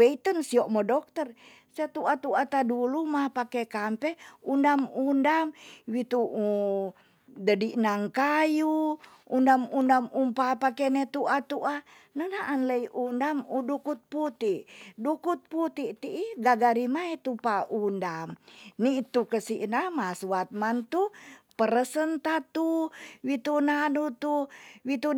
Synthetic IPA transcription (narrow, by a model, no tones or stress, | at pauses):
weit̪ənsiɔʔmɔdɔk̚t̪ər | set̪uat̪uat̪adulumapakɛkampɛundamundamwit̪uu | dədiʔnaŋkaju | undamundamumpapakenet̪uʔat̪uʔa | nənaʔːnləiʔundamudukut̪̚put̪iʔdukut̪̚put̪iʔt̪iʔiɡaɡaɾimaet̪upaʔundamniʔt̪ukəsiʔnamasuwat̪̚mant̪upəɾəsənt̪at̪uwit̪unanut̪uwit̪u